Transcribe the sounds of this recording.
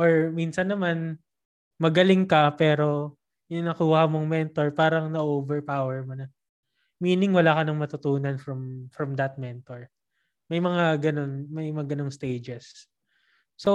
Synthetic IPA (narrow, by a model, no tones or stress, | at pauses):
ʔoɹminsɐnːɐman | mɐɡɐlɪŋkɐpɛːɾo̞ | ʔɪnɐkuːhɐmoŋmɛnt̪o̞ɹpaːɾɐŋnɐʔoːvɛɹpaːwɛɹmonɐ | miːnɪŋwɐlaːkɐnɐŋmɐt̪ʊt̪uːnɐnfɾɐmfɾɐmd̪ɐt̪̚mɛnt̪oɹ | mɐjmɐŋaɡɐno̞nmɐjmɐŋaɡɐno̞ŋst̪ejd͡ʒɛsː | o